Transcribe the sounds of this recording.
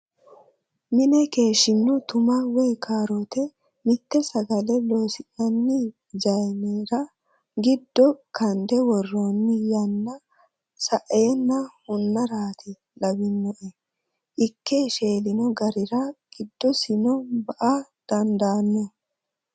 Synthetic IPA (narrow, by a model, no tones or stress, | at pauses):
mɪnɛke̞ːʃɪnːɔt̪ʊmɐwɔjkʰaːɾot̪ɛ | mɪt̪ːɛsɐɡɐlɛlo̞ːsɪʔɐnːɪ | d͡ʒɐjneːɾɐ | ɡɪd̪ːɔkɐnd̪ɛwɔrːoːnːɪjɐnːɐ | sɐʔeːnːɐhʊnːɐɾaːt̪ɪ | lɐbɪnːɔʔɛ | ʔɪkːeʃe̞ːlɪnɔɡɐɾɪɾɐɡ̥ɪd̪̥ːɔsɪnɔbɐʔa | d̪̥ɐnd̪aːnːɔ